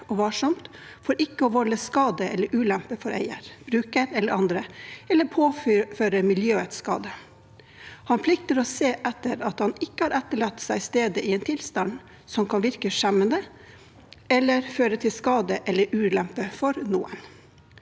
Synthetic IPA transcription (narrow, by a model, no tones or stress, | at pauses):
ɔʋɑʂɑmt̪ | fɔːɾɪkːəɔʋɔlːəskɑːd̪əʔɛlːəɾʔʉːlɛmpəfɔɾæ̰ɪə̰ɾb̥ɾʉːkəɾɛləɾʔɑnd̪ɾəɛlːəpʰoːføːɾəmɪljøːət̪skɑ̰ːd̪ə | hɑnpʰlɪk̚t̪əɾɔseːʔɛt̪ːəɾɑt̪hɑnɪkːəhɑɾʔɛt̪ːəɭɑt̪ːsæɪst̪eːd̪əʔɪɛnt̪ʰɪlst̪ɑn | sɔmkʰɑnʋɪɾkəʂɛmːənd̪ə | ɛlːəɾføːɾət̪ʰɪlskɑːd̪əʔɛlːəɾʉːlɛmpəfɔɾnṵːə̰n